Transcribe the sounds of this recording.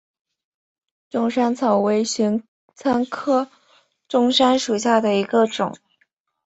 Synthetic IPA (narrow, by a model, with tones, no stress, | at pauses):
ʈ͡ʂʊ˥˩ŋʂa˥nt͡sʰɑ˨˩ʊwe˧˥ɪɕy˧˥ŋ | t͡sʰa˥nkʰɤ˥ | ʈ͡ʂʊ˥ŋʂa˥nʂu˨˩ɕja˥˩d̪ə˩i˧˥ɡə˧ʈ͡ʂʊ˨˩˦ŋ